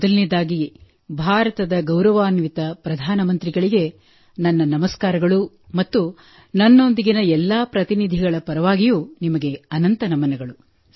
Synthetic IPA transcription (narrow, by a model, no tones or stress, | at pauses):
ɔd̪ɐlnid̪aːɡi | bʱaːɾɐt̪ɐd̪ɐɡɐwɾɐʋaːnʋit̪ɐpɾɐd̪ʱaːnɐmɐnt̪ɾiɡɐɭiɡe̞ | nɐnːɐnɐmɐskaːɾɐɡɐɭu | mɐt̪ːu | nɐnːo̞nd̪iɡinɐɛlːaːpɾɐt̪inid̪ʱiɡɐɭɐpɐɾɐʋaːɡijunimɐɡe̞ɐnɐnt̪ɐnɐmɐnɐɡɐɭu